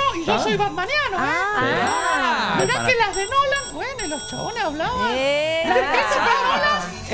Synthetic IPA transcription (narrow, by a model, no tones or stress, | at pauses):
oiʝosojβaðmanjano | meɾðakelazðenolanbwenelost͡ʃaonesaβlaβalaðekɾesapenolan